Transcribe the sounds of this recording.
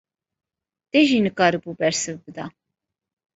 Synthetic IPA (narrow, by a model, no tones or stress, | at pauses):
d̪̥ɛʒinɨkʼaɾibubɛɾsəvbəd̪a